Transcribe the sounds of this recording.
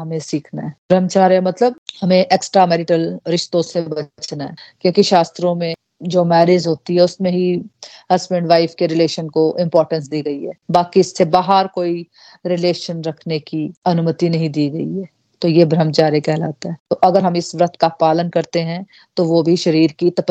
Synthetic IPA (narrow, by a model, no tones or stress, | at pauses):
ɦɐmẽsiːkʰnaɦɛ̃bʱɾəmt͡ʃaːɾjemɐt̪ləb̚hɐmẽʔeːksʈɾamɛːɾɪʈəlɾɪʃt̪õsebɐt͡ʃnaɦɛkjõːkiʃaːst̪ɾõmẽ | d͡ʒoːmɛːɾeːd͡ʒɦoːt̪iɦɛʊsmẽɦiɦɐsbẽɳɖʋaːɪfkeɾɪleːʃənkoʔɪ̃mpɔːɾʈə̃ns̬d̪iːɡɐiɦɛːbaːkiɪsːebaːɦəɾkoːi | ɾɪleːʃənɾɐkʰnekiɐnʊmət̪inɐɦĩd̪iːɡɐiɦɛː | t̪ojebʱɾəmt͡ʃaːɾekɛɦla̰ːt̪aɦɛːt̪oʔɐɡəɾɦɐmɪsʋɾət̪ʰkapaːlənkɐɾt̪eɦɛ̃ | t̪oʋobʱiʃɐɾiːɾkit̪ɐp